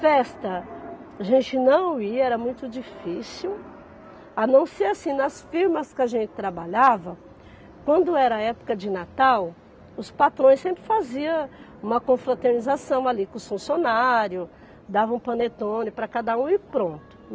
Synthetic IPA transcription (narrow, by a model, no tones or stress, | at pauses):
fɛst̪ɐ | aʒẽnt͡ʃɪnɐ̃w̃iɐɛɾɐmũj̃t̪ʊd͡ʒifisiw | anɐ̃w̃seasĩnɐsfiɾmɐskɪaʒẽnt͡ʃɪ̥t̪ɾabaʎavɐ | kwɐ̃nd̪ʊɛɾɐɐɛpʊ̥kɐd͡ʒɪnat̪aw | ʊspat̪ɾõj̃sẽmpɾɪfaziɐ | ũmɐkõfɾat̪eɾnizasɐ̃w̃alikõsfũsjonaɾjʊ | d̪avɐ̃ũpɐ̃net̪õnɪpɾɐkad̪ɐũiɾpɾõnt̪ʊ̥